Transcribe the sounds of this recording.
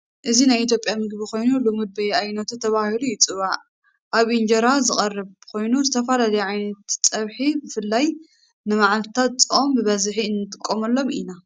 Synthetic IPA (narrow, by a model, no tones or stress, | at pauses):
ʔɨzinajit̪jo̞pʼjamɨɡbiko̞jnulomɨd̪̚bɐjajnɐt̪ut̪ʰɐβahilujɪt͡sʼɨβaʕ | ʔaβʔind͡ʒɐɾazɨχʼɐrːɨβkʰo̞jnuzɨt̪ʰɐfɐlalɐjɛʕajnɐt̪t͡sʼɐβħibɨfɨlːaj | nɨmaʕalt̪ʰɨ̥t̪ʰat̪̚t͡sʼɨʔombɨβɐzħiɨnːɨt̪ʼɨkʼːomɐlːo̞mḭna